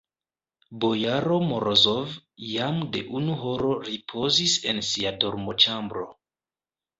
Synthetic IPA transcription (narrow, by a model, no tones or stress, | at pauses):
bo̞jaɾo̞moɾozovjamde̞̰ʔunuɦo̞ɾo̞ɾipʰo̞zise̞nsiadoɾmo̞t͡ʃambɾo̞